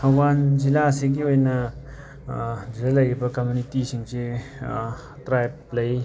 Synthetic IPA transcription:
bʱɐwanzilaseɡiojnɐ | d͡ʒilalɐjebɐkɐmjunitisiŋse | tɾajplɐj

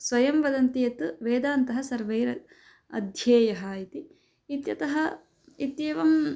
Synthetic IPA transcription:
sʋɐjɐmʋɐd̪ɐnt̪ijɐt̪ɨʋeːd̪aːnt̪ɐɦɐsɐɾʋɐjɾɐ | ɐ̰d̪ʱjɐːjɐɦɐit̪i | it̪jɐt̪ɐɦɐ | it̪jɐːʋɐm

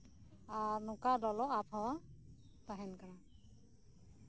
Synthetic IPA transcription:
aɹnʊkadɔlɔapʰawat̪aɦɛnkana

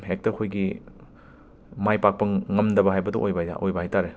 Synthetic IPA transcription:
hek̚tɐkʰojɡi | majpak̚pɐŋɐmdɐbɐɦajbɐdṵʔojbɐja̰ʔojbɐhajtaɾe

